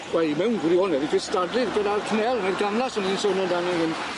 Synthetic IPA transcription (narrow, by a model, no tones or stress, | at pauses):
wɛmɛwnɡwɾiɔnɛdiɡɪstadlɨðɡədarkʰnɛlˠneðɡamlˠasɔninsonɔdanɛɦɪn